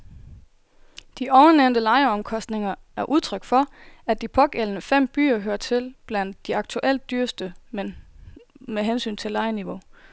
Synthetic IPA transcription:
d̥iʔɒʊɐneʊnd̥əlɑ̈ɪəɒ̽mkʰɒ̽sd̥ne̝ŋɐ | æɐʔuð̞ˠt͡sʰʁœɡ̥fɒ̽æd̥ipʰɒ̽ɡ̥elnəfem̰b̥y̰ːɐɦøːɐt͡sʰe̝lb̥læn̰d̥ːiɑ̈ɡ̥̚t͡sʰuʔel̰d̥ːyːɐsd̥əmen | meɦensy̰ːnt͡sʰe̝lɑ̈ɪəniʋo̝

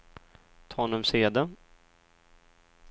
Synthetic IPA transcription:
t̪ʰɑːnəmseːd̪ə

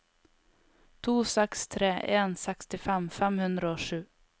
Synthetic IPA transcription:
t̪ʰuːsɛkst̪ʰɾeːʔeːnsɛkst̪ɪfɛmfɛmhɵnd̪ɾaoʂʉ̟ː

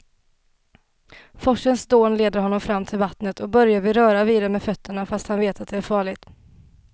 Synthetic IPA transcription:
fɔʂənsd̪oːnleːd̪əɾɦɔnːɔmfɾamːt̪ʰɪlvat̪nət̪ʰɔk̚bœɾjavɪɾœːɾaviːd̪aɾəmɛːfœt̪ʰːəɳafast̪hanveːt̪at̪̚d̪ɛæɾfɑːɭɪt̪

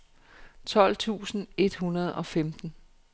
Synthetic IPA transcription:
t͡sʰɒ̽l̰t͡sʰṵːsn̩e̝d̥hunɐð̞̩ˠɒ̽femd̥n̩

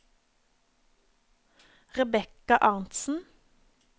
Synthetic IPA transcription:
ʁɛbɛkɑʔɑʁnt̪sn̩

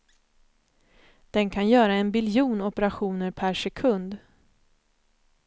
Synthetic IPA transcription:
d̪̥ɛnkʰanjœːɾaɛnbɪljuːnɔpəɾaɧuːnəɾpʰæʂɛkʰɵnd̪

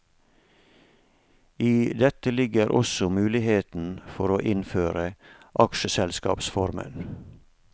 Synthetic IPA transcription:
iːd̪ɛt̪əlɪɡəɾʔɔ̰sɔmʉːlɪheːt̪n̩fɔɾoːʔɪnføːɾəʔɑkʃəsɛlskɑ̰ːpsfɔɾmə̰n

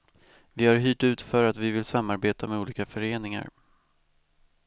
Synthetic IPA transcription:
vɪhaɾɦyːʈʉ̟ːt̪fœɾat̪vɪvɪlsamːaɾbeːt̪amɛuːliːkafœɾeːnɪŋa̰ɾ

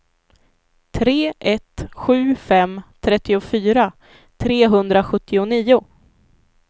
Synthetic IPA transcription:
t̪ʰɾeːʔɛt̪ɧʉ̟ːfɛmt̪ʰɾɛt̪ːɪʊfyːɾa | t̪ʰɾeːɦɵnd̪ɾaɧɵt̪ʰːɪʊniːʊ

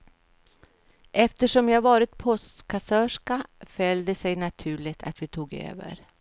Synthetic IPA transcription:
ʔɛft̪əʂɔmjɑːavɑːɾɪt̪̚pʰɔst̪kʰasœːʂkafœld̪əsɛjnat̪ʰʉ̟ːɭɪt̪ʰa̰t̪vɪt̪ʰuːɡø̰ːvə̰ɾ

